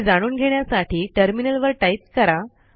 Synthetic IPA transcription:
d͡zaɽ̃uːnɡʱeɳjasaʈʰiːʈəɾminəlʋəɾʈaip̚kəɾa

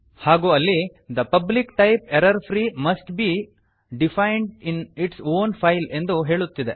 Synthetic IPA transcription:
haːɡuːɐlːi | d̪ɐpɐblikʈɐjpeɾɐɾpʰɾiːmɐsʈbiː | ɖifʰɐjɳɖiniʈsoːnpʰɐjle̞nd̪uɦe̞ːɭut̪ːid̪e

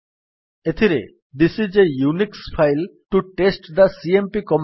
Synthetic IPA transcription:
et̪ʰiɾḛ | d̪isizejuniksfʰajlʈuʈesʈd̪ɐsiempikɔm

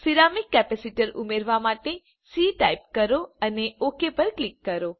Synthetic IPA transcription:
siɾamikːɛpɛsiʈəɾumeɾʋamaʈe | siʈajp̚kəɾoəneokepəɾklikːəɾo

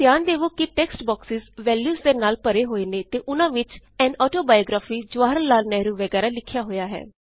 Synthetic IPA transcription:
d̪ɪjaːnd̪eːʋoːkɪʈɛːksʈbɔːksɪzʋɛːljuːsd̪eːnaːlpəɾeːɦoːiːnẽːt̪eːʔʊnãːʋɪt͡ʃɛ̃ːnɔːʈoːbaːjoːɡɾaːfiːd͡ʒʊʋaːɾəllːaːlnɛːɾuːʋəɡɛːɾaːlɪkʰːjaːɦoːjaːɦɛ̰ː

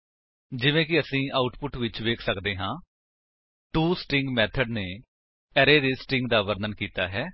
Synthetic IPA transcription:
d͡ʒɪʋẽːk̬ɪəsĩːʔaːʊʈpʊʈʋɪt͡ʃʋeːkʰsəkd̪eːɦãː | ʈuːsʈɪ̃ŋɡmɛːt̪ʰəɖneː | ɛːɾeːd̪eːsʈɪŋɡ̚d̪aːʋəɾd̪ənkiːt̪aːɦɛː

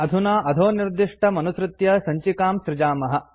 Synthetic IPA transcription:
ɐd̪ʱunaːʔɐd̪ʱoːniɾd̪iʂʈʰɐmɐnusɾɪt̪jɐsɐɲt͡ʃikaːmʃɾɪd͡ʒaːmɐɦɐ̆

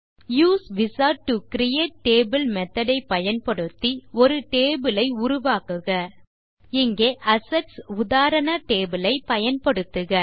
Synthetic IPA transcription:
juːsʋɪsaːʈukɪɾɪjeːʈ̚ʈeːbɪlmɛt̪ːɐɽɐɪpːɐjɐnpɐɽɯt̪ːiɔɾɯʈeːbɪlɐɪʊɾʊʋaːkɯɣɐ | ɪŋɡeːʔɐsɛʈsʊðaːɾɐɳɐʈeːbɪlɐɪpɐjɐnpɐɽɯt̪ːɯɣɐ

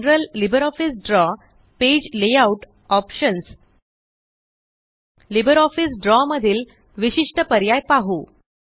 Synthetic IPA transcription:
ɾəlːibəɾɔfisɖɾɔ | ped͡ʑlejauʈ | ɔpɕəns | libəɾɔfisɖɾɔməd̪ʱiːl | ʋiɕiʂʈəpəɾjajpaɦu

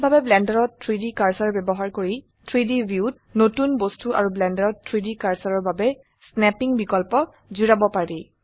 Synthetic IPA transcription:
bʱabɛblɛndaɹɔtʰɹidikaɹsaɹbɛbɔɦaɹkoɹi | tʰɹidibiut̚ | notunbostuʔa̰ɹublɛndaɹɔtʰɹidikaɹsaɹɔɹbabɛ | snɛpiŋbikɔlpɔ | zuɹabɔpaɹi

